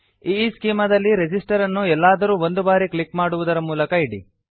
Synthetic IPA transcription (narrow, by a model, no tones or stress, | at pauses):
iːskiːmɐd̪ɐlːiɾed͡ʒisʈɐɾɐnːuɛlːaːd̪ɐɾuːʋo̞nd̪ubaːɾiklikmaːɽuʋud̪ɐɾɐmuːlɐkɐiɽḭ